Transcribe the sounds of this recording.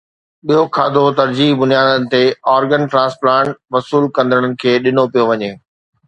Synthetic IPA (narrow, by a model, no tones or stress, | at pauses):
ɓijokʰaːd̪ʱot̪ɐɾd͡ʑiːɦbʊnjaːd̪ənɪ̆t̪eɔːɾɡənʈɾãːsplãːɳʈʋɐsuːlkɐ̃nd̪əɽ̃ənɪ̆kʰeːɗɪnopijoʋɐɲeː